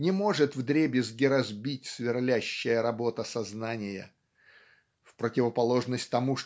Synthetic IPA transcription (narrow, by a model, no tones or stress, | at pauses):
nʲɪmo̞ʐɨt̪vd̪ɾʲebʲɪzɡʲɪɾɐzbʲitʲsvʲɪrlʲæɕːɪjəɾɐbo̞t̪əsɐznanʲɪjə̰ | fpɾətʲɪvəpɐlˠo̞ʐnəsʲtʲt̪ɐmuʂ